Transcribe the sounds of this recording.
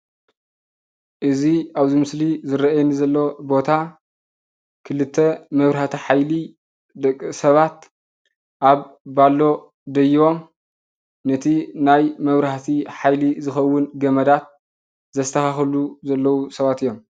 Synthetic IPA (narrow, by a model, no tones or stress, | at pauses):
ʔɨziaβzimɨslizɨɾɐʔjnizɐlːo̞bo̞t̪ʰa | kʰɨlɨt̪ʰːemɐβɾhat̪ʰiħajli | d̪ɐkʼːɨsɐβat̪ | ʔaβbalːo̞ | d̪ɐjio̞m | nɐt̪ʰinajmɐβɾhat̪ʰiħajlizɨxɐwːʊnɡɐmɐd̪at̪̚ | zɐst̪ʰɐxaxɐluzɐlːɐwusɐβat̪ɨjːo̞m